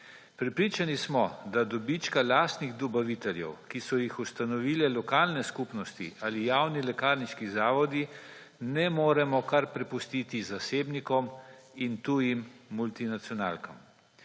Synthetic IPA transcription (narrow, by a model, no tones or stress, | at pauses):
pɾɛpɾiːt͡ʃanismɔd̪ad̪ɔbit͡ʃkalaːst̪niɣd̪ɔbaʋit̪ɛljɛ̰wkisɔjixust̪anɔʋiːlɛlɔkaːlnɛskupnɔst̪ḭʔaːlijawnilɛkaːɾniʃkizaːʋɔd̪i | nɛmoːɾɛmɔkaɾpɾɛpust̪it̪izaseːbnikɔm | int̪ujimːult̪inat̪sjɔna̰ːlkɔm